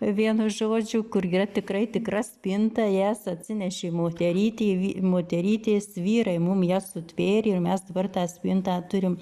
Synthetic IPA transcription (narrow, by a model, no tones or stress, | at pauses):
ʋʲiɛnʊʒoːd͡ʒʲʊkʊriːrɐt̪ʲɪkrɐɪt̪ʲɪkrɐsʲpʲɪnt̪ɐjæsɐt̪ʲsʲɪnʲɛʃʲemoːt̪ʲɛɾʲiːt̪ʲeːʋʲimoːt̪ʲɛɾʲiːt̪ʲeːsʋʲiːɾɐɪmʊmjæːsʊt̪ʲʋʲeːɾʲeɪrmʲɛsd̪ɐbɐrt̪ɑːsʲpʲɪnt̪ɑːt̪ʊɾʲɪm